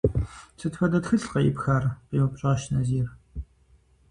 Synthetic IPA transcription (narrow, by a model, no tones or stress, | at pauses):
t͡sʰɨtfɐdɐtxɨɬqɐjɪ̰pxaːrqeːmɨpʼɕʼɐʁɐʃnɐziːr